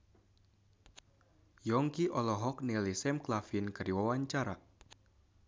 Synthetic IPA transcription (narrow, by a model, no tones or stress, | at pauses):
jɔŋkiʔɔlɔɦɔk̚nilisɛmklafinkərdiwawaɲt͡ʃaɾa̰